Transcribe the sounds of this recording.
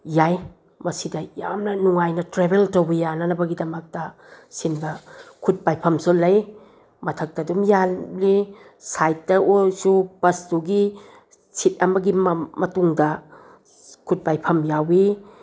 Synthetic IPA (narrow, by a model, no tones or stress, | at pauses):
jaj | mɐsidɐja̰mnɐnuŋajnɐtɾebeltowbɐjanɐnɐbɐɡidɐmɐk̚tɐ | sinbɐkʰut̚pajpʰɐmsulɐj | mɐtʰɐk̚tɐdumjali | sajt̚tɐʔosubɐstuɡi | sit̚ɐmɐɡimmɐtuŋdɐ | kʰut̚pajpʰɐmjawi